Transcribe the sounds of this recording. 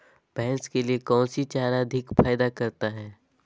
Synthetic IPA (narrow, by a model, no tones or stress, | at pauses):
b̥ɛɦnskeliekɔ̃ːnsit͡ʃaːɾaɐd̪ʱɪkfʰaːjd̪akɐɾt̪aɦɛː